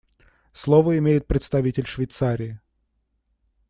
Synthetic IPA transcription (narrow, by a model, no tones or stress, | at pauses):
slˠovəɪmʲejɪt̪̚pɾʲɪt̪st̪ɐvʲitʲɪlʲʂvʲɪjt̪saɾʲɪɪ